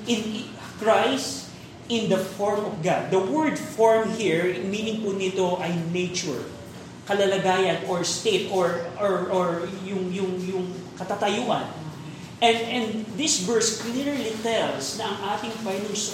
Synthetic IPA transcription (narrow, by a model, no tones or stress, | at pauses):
ʔɪ̃n | kɹajst | ɪ̃nd̪ɐfɔɹmɔfɡad̪̚ːɐwɛɹd̪fɔɹmhiɹmiːnɪŋpʊnɪt̪oʔɐjnejt͡ʃʊɹ | kɐlɐlɐɡaːjɐnɔɹst̪et̪ɔɹɔɹɔɹjʊŋjʊŋjʊŋkɐt̪at̪ɐjuʔɐ̰n | ɛnɛ̃nd̪ɪsvɛɹsklɪɹlit̪ɛlsnɐʔɐŋʔaːt̪ɪŋfajnʊŋs